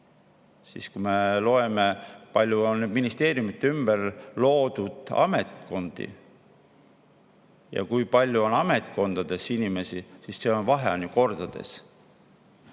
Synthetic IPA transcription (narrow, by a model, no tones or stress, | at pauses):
sḭskume̞lo̞e̞me̞pɑlʲjuonminist̪e̞ːɾijumit̪ːeymb̥erlo̞ːd̪ud̪̥ɑ̰me̞t̪ko̞nd̪̥ḭ | jɑ̰kujpɑlʲːjuo̞nɑme̞t̪ˑko̞nd̪̥ɑd̪̥e̞sinime̞sisisːe̞o̞nvɑɦenjuko̞rd̪̥ɑd̪̥e̞̰s